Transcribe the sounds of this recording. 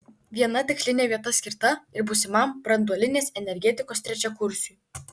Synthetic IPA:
ʋʲiɛnɐt̪ʲɪksʲlʲɪnʲeːʋʲiɛt̪ɐsʲkʲɪɾt̪ɐɪɾbʊsʲɪmɐmb̥ɾɐnd̪uɔlʲɪnʲeːsɛnʲɛɾʲɡʲɛt̪ʲɪkoːst̪ʲɾʲɛt͡ʃʲɛkʊɾʲsʲuː

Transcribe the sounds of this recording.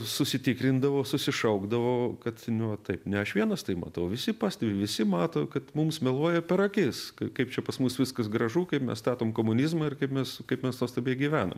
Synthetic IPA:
sʊsʲɪt̪ʲɪkɾʲɪnd̪ɐʋoːsʊsʲɪʃɐʊɡd̪ɐʋoːkɐt̪nʲʊʋɐt̪ɐɪpnʲɛɐʃʋʲiɛnɐst̪ɐɪmɐ̰t̪ɐʊʋʲɪsʲɪpɑːsʲt̪ɛʋʲɪʋʲɪsʲɪmɑːt̪oːkɐt̪mʊmsmʲɛlˠuɔjɛpʲɛɾɐkʲɪskɐkɐɪp̚t͡ʃʲɛpɐsmusʋʲɪskɐsɡɾɐʒuːkɐɪpmʲɛ̰sst̪ɑːt̪oːmkoːmʊnʲɪzmɐɪrkɐɪpmʲɛskɐɪpmʲɛsnuɔst̪ɐbʲiːɡʲiʋʲæːnɐ̰m

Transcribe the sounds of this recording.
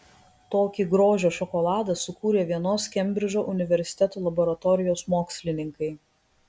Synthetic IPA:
t̪oːkʲiːɡɾoːʒʲoːʃɔkɔlˠɑːd̪ɐsʊkuːɾʲeːʋʲiɛnoːskʲɛmʲbʲɾʲɪʒʲoːʔʊnʲɪʋʲɛɾʲsʲɪ̥t̪ʲɛt̪oːlˠɐbɔɾɐt̪ɔːɾʲɪjoːsmoːksʲlʲɪnʲɪŋkɐɪ

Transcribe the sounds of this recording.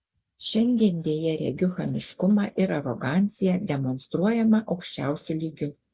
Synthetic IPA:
ʃʲɛŋʲɡʲɛnʲd̪ʲeːjɛɾʲɛ̰ɡʲʊxɐmʲɪʃkʊmɑːʔɪɾɐɾɔɡɑːˑnʲt̪sʲɪjɛd̪ʲɛmɔnst̪ɾuɔjɛmɐʔɒʊkʃʲt͡ʃʲæˑʊsʲʊlʲiːɡʲʊ

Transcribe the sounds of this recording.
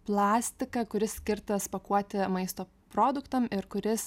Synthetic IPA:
plˠɑːsʲt̪ʲɪkɐkʊɾʲɪssʲkʲɪɾt̪ɐspɐkuɔt̪ʲɪmɐɪst̪oː | pɾoːd̪ʊkt̪ɐmɪɾkʊɾʲɪs

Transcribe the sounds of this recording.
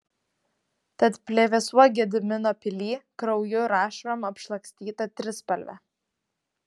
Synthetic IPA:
t̪ɐt̪pʲlʲeʋʲɛsuɔɡʲɛd̪ʲɪmʲɪnoːpʲɪlʲiːkɾɒʊjʊɾɑːʃʲɾɐmɐpʃlˠɐksʲt̪ʲiːt̪ɐt̪ʲɾʲɪspɐlʲʋʲɛ̰

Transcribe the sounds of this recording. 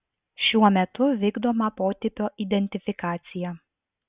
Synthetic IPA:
ʃʲuɔmʲɛt̪ʊʋʲiːɡd̪oːmɑpoːt̪ʲɪpʲoːʔid̪ʲɛnʲt̪ʲɪfʲɪkɑːt̪sʲɪjɛ

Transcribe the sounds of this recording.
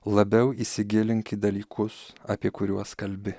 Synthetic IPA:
lˠɐbʲɛʊiːsʲɪɡʲɪlʲɪŋʲkʲɪd̪ɐlʲiːkʰʊsɐpʲiɛkʊɾʲuɔskɐlʲbʲɪ

